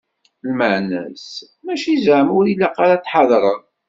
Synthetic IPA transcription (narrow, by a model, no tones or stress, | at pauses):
lməʕnæ̰s | mæʃizʕəmʊɾilːæqɑɾat̪ːħɑðˤɾˤəð